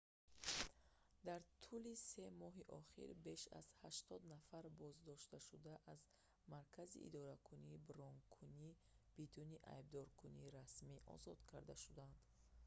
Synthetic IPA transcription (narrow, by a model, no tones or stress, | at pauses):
d̪aɾt̪ʰulise̞mɔɦiʔɔχḭɾbe̞ʃa̰z̥haʃt̪ɔd̪nafaɾbɔzd̪ɔʃt̪aʃud̪aʔaz | maɾkʰazḭʔḭd̪ɔɾakʰuniːbɾɔŋkʰuni | b̥id̪uniʔa̰jb̚d̪ɔɾkʰuniːɾasmiʔɔ̰zɔd̪̥kʰaɾd̪aʃud̪and̪̥